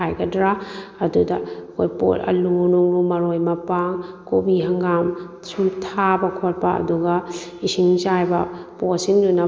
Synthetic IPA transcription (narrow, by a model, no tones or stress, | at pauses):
ajɡɐdɾaɐdudɐɐkʰojpo̰tɐ̰lunuŋɾumɐɾojmɐpaŋkobiɦɐŋɡam | sumtʰabɐkʰot̚pɐɐ̰duɡɐisiŋt͡ʃajbɐposiŋdunɐ